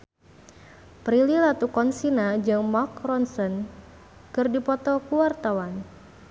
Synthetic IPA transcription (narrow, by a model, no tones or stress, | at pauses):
pɾililat̪ukɔnsinad͡ʒɨŋmakrɔnsɔn | kɨrdipɔt̪ɔkuwart̪awan